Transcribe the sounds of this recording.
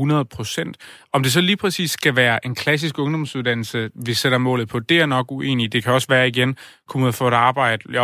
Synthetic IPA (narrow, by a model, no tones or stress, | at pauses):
hunɐð̩ˠpʰʁo̝sen̰d̥ | ɒ̽md̥e̝sɒ̽liːpʰʁɛsḭːsɡ̥æʋæːɐʔe̝nkʰlæs̬isɡ̥ɔ̽ŋd̥ɒ̽msuðˠd̥æn̰l̩səʋe̝seɾ̥ɐmɔ̰̽ːlð̩ˠpʰɒ̽d̥e̝æɐnɒ̽ɡ̥uʔe̝̰ːnid̥e̝kʰæɒ̽sʋæːɐiɡ̥en | kʰumæfɔ̰̽ed̥ɑ̈ːb̥ɑ̈ɪ̰d̥ə